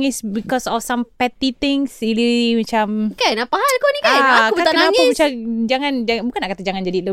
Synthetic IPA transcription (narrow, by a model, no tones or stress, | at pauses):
ŋɪsbikɔsɔfsampɛt̪it̪ɪŋsilimat͡ʃamkajnaʔpaɦalkonikaajakuəakənnaɲamat͡ʃad͡ʒaŋand͡ʒabukanːaʔkat̪ad͡ʒaŋand͡ʒadilə